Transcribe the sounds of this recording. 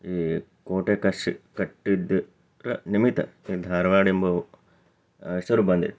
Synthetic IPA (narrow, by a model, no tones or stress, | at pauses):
iːkoːʈekɐʂikɐʈːid̪ | ɾɐnimit̪ɐ̰iːd̪ʱaːɾɐʋaːɽimbo | isɐɾubɐnd̪ḭt̪